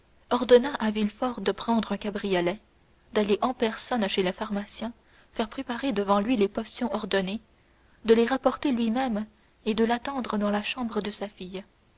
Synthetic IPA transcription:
ɔʁd̪ɔnaʔavilfɔʁd̪əpχɑ̃d̪ʁœ̃kabʁijɔlɛ | d̪aleʔɑ̃pɛʁsɔnʃelefaʁmasjɛ̃ | fɛːʁpχepaʁed̪əvɑ̃lɥilepɔsjɔ̃ɔʁd̪ɔne | d̪əleʁapɔʁt̪elɥimɛm | ed̪əlat̪ɑ̃d̪ʁəd̪ɑ̃laʃɑ̃bʁəd̪əsafij

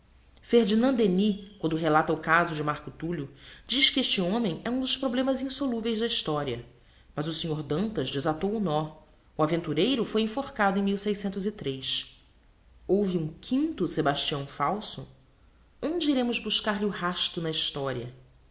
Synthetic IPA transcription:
feɾd͡ʒinɐ̃nd̪enikwɐ̃nd̪ʊɦelat̪ɐʊkazʊd͡ʒɪmaɾkʊt̪uʎʊd͡ʒiʃkɪeʃt͡ʃɪõmẽj̃ɛũd̪ʊʃpɾoblẽmɐzĩsoluvejzd̪ɐiʃt̪ɔɾiɐ̰ | mɐzʊsẽɲoɾd̪ɐ̃nt̪ɐzd͡ʒɪzat̪owʊnɔ | uavẽnt̪uɾejɾʊfojẽfoχkad̪ʊẽj̃miwsejsẽnt̪ʊzit̪ɾes | owviũkʰĩnt̪ʊsebaʃt͡ʃiɐ̃w̃fawsʊ | õnd͡ʒɪiɾẽmʊzbuʃkaɾlɪʊhaʃt̪ʊnɐiʃt̪ɔɾiɐ

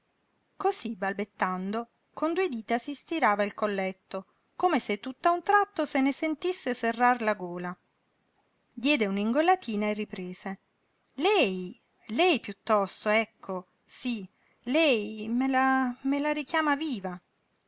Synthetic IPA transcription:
kosibalbet̪ːand̪o | kond̪ued̪iːt̪asist̪iɾaːvailkolːɛt̪ːo | komeset̪ːut̪ːaunt̪ɾat̪ːosenesent̪isːeserːarlaɡoːla | d̪jɛːd̪euniŋɡolat̪ʰiːnaerːipɾeːze | lɛj | lɛjpjut̪ːɔst̪oɛkʰːo | si | lɛjmelamelaɾikjaːmaviːva

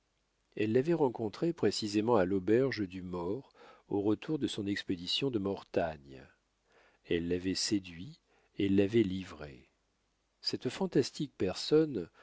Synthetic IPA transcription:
ɛlːavɛʁɑ̃kɔ̃t̪χepχesizemɑ̃alɔbɛʁʒəd̪ymɔʁoʁət̪uʁd̪əsɔ̃nɛksped̪isjɔ̃d̪əmɔʁt̪aɲ | ɛlːavɛsed̪ɥi | ɛlːavɛlivʁḛ | sɛt̪fɑ̃t̪ast̪ik̚pɛʁsɔn

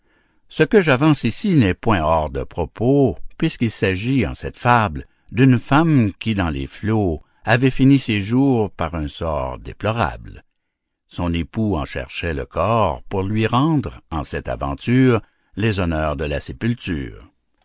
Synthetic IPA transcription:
səkəʒavɑ̃sisinɛpwɛ̃ɔʁd̪əpʁɔpopɥiskilsaʒiɑ̰̃sɛt̪fabl | d̪ynfamkʲid̪ɑ̃lḛflo | avɛfiniseʒuːʁpaʁɛ̃sɔ̰ːʁd̪ḛplɔʁa̰bl | sɔ̃nepuɑ̃ʃɛ̰ʁʃɛlə̰kʰɔːʁpuʁlɥiʁɑ̃d̪ʁɑ̃sɛt̪a̰vɑ̰̃t̪yːʁ | lezɔnœːʁd̪əlasepylt̪y̰ːʁ

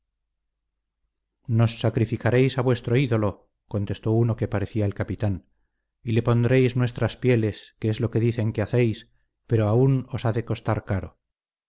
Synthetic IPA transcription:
no̞sːakɾifikaɾe̞jsaβwe̞st̪ɾo̞iðo̞lo̞ | ko̞nt̪e̞st̪o̞uno̞ke̞paɾe̞θiaelkapit̪an | ile̞po̞nd̪ɾe̞jznwe̞st̪ɾaspje̞le̞skeezlo̞ke̞ðiθe̞ŋkeaθe̞js | pe̞ɾo̞auno̞saðe̞ko̞st̪aɾkaɾo̞̰

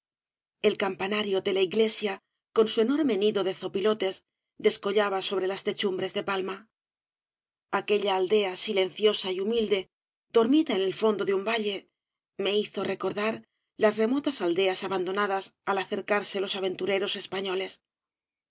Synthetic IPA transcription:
e̞lkampanaɾjo̞d̪e̞laiɣle̞sja | ko̞nsueno̞ɾme̞niðo̞ðe̞θo̞pilo̞t̪e̞z | d̪e̞sko̞ʎaβaso̞β̞ɾe̞last̪e̞t͡ʃumbɾe̞zðe̞palma | ake̞ʎaːld̪e̞asile̞nθjo̞saiumild̪e̞ | d̪̥o̞ɾmiðaene̞lfo̞nd̪o̞ðeumbaʎe̞ | me̞iθo̞re̞ko̞ɾðaɾ | lazre̞mo̞t̪asald̪e̞asaβand̪o̞naðasalaθe̞ɾkaɾse̞lo̞saβ̞e̞nt̪uɾe̞ɾo̞se̞spaɲo̞le̞s

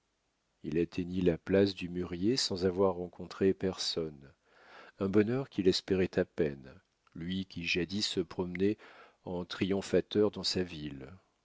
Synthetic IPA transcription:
ilat̪ʰeɲilaplasd̪ymyʁjesɑ̃zavwaʁːɑ̃kɔ̃t̪χepɛʁsɔn | ɛ̃bɔnœʁkʲʰilɛspeʁɛt̪ʰapɛn | lɥikʲiʒad̪isːəpχɔmnɛ | ɑ̃t̪χijɔ̃fat̪œʁd̪ɑ̃savil

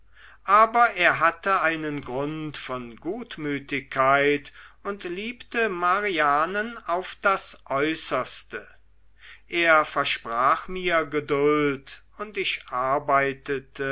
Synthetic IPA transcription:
ʔaːbɐʔeːɐɦatəaɪnənɡʁʊntfɔnɡuːtmyːtɪkʰːaɪtʊntliːptəmaʁiaːnənaʊfd̥asʔɔʏsɐstə | ʔeːɐfɛɐʃpʁ̥aːχmiːɐɡədʊlt | ʊntɪʃʔaɐbaɪtətə

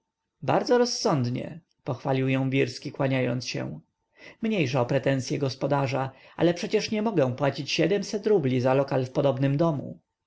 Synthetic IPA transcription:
ba̰ɾd̪zɔɾɔsːɔnd̪ɲɛ̰ | pɔxfalʲiwjɔ̃w̃vʲiɾskʲikwaɲajɔ̰nt̪sɕɛ̰w̃ | mɲejʂɛɔpɾɛt̪ɛ̃nsʲjɛɡɔspɔd̪aʐaʔa̰lɛpʂɛt͡ɕɛʂɲɛmɔɡɛw̃pwat͡ɕit͡ɕɕɛd̪ɛmsɛt̪ɾublʲizalɔkalfpɔd̪ɔbnɘmd̪ɔmṵ

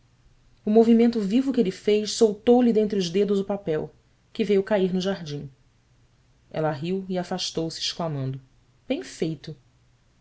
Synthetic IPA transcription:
ʊmovimẽnt̪ʊvivʊkɪelifejʃsowt̪owlɪd̪ẽnt̪ɾiʊʒd̪ed̪ʊzʊpapɛw | kɪvejʊkaiɾnʊʒaɦd͡ʒĩŋ̃ | ɛ̰lɐɦiwiafaʃt̪owsɪːʃklamɐ̃nd̪ʊ | b̥ẽj̃fejt̪ʊ

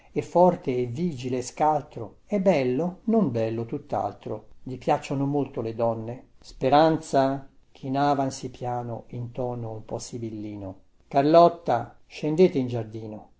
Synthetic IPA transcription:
ɛfːɔrt̪eːvːiːd͡ʒileːskalt̪ɾo | ɛbːɛlːonombɛlːot̪ut̪ːa̰lt̪ɾo̰d̪ipjat͡ʃːonomolt̪oled̪ɔnːespeɾant̪sak̟ʰinaːvansipjaːno̰int̪ɔːnoumpɔsibilːiːno | karlɔt̪ːa | ʃend̪eːt̪eind͡ʒard̪iːno

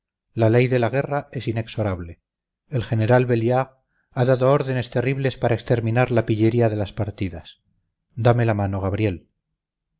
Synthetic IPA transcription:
lale̞jðe̞laɣ̞e̞rae̞sine̞kso̞ɾaβle̞ | elχe̞ne̞ɾalβe̞ljaɣ | aðaðo̞oɾðe̞ne̞st̪e̞riβle̞spaɾaekst̪e̞ɾmĩnaɾlapiʎe̞ɾiaðe̞laspaɾt̪iðas | d̪ame̞lamano̞ɣ̞aβɾje̞l

